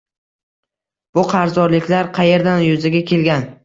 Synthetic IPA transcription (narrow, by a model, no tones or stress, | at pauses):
b̥ʊqʰɑɾzɒɾlɪkʲlaɾqʰɑje̞ɾd̪anjʊzaɡʲakʲʰe̞lɡʲan